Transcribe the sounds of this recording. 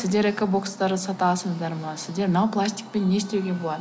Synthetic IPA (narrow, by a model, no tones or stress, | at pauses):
sɪzd̪e̞ɾeko̞bo̞kst̪ɑɾəsɑt̪ɑsəzd̪ɑɾmənɑsɪzd̪e̞ɾnawplˠasʲt̪ʲɪ̥k̚penːest̪e̞wɡʲe̞bolˠɑd̪